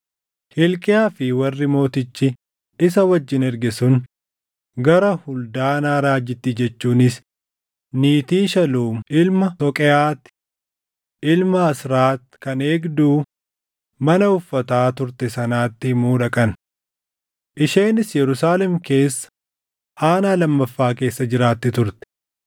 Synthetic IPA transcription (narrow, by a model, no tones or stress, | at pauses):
hɪlkʼɪaːfɪwɐrːɪmo̞ːt̪ɪt͡ʃːɪ | ɪs̬ɐwɐd͡ʒːɪnɛɾɡɛsʊn | ɡɐɾɐhʊld̪aːnaːɾaːd͡ʒːɪt̪ːid͡ʒɛt͡ʃːuːnɪs | niːt̪iːʃɐluːɪlmɐsɔkʼɛaːt̪ːɪ̥ | ʔɪlmɐɐsɾaːt̪ːɪ̥kɐneːɡd̪uː | mɐnɐʊfːɐt̪aːt̪ʊɾt̪ɛsɐnaːt̪ːɪmuːᶑɐkʼɐn | ʔɪʃeːnɪsjɛɾʊsaːlɛmke̞ːsːɐ̥ | ʔaːnaːlɐmːɐfːaːke̞ːsːɐd͡ʒɪɾaːt̪ːɪt̪ʊɾt̪ɛ̥